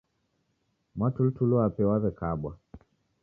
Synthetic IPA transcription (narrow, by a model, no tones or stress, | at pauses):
matultulɔapɛwaβɛkaɓwa̰